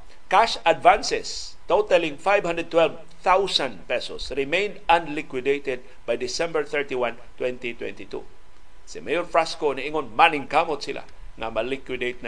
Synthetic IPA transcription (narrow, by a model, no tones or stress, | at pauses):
kaʃadvãnsɛst̪ot̪alĩŋfajvhãnd̪əd̪̚t̪wɛlv | θawsãnpɛsɔsɹɪmẽjnd̪ãnlɪkwɪd̪ejt̪ɛd̪̚ | bajd̪ɪsɛ̃mbəɹθɛɹt̪iwãn | t̪wɛ̃nt̪it̪wɛ̰̃nt̪it̪ṵ | simejɔɾfɹaskoniʔiŋonmanɪ̃ŋkamot̪silʔa̰ | ŋa̰malikwid̪ejt̪̚n